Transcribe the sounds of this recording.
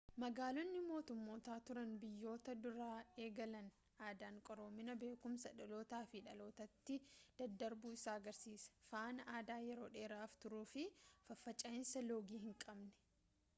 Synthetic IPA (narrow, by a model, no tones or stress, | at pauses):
mɐɡaːlɔnːɪmo̞ːt̪ʊmːo̞ːt̪aːt̪ʊɾɐnbɪjːo̞ːt̪ɐd̪ʊɾaːe̞ːɡɐlɐn | aːd̪aːŋkʼɔɾo̞ːmːɪnɐbe̞ːkʊmsɐᶑɐlo̞ːt̪aːfɪᶑɐlo̞ːt̪ɐt̪ːɪd̪̥ɐd̪ːɐɾbuːɪsaːɐɡɐɾsiːsfaːnɐaːd̪aːjɛɾo̞ːᶑe̞ːɾaːft̪ʊɾuːfɪfɐfːɐt͡ʃʼɐɪnsɐlo̞ːɡiːhɪŋkʼɐbnɛ̥